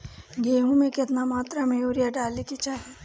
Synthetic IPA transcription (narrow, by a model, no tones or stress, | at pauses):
ɡeːɦũmẽkɪt̪namaːt̪ɾameuːɾijaɖaːlikit͡ʃaɦɛ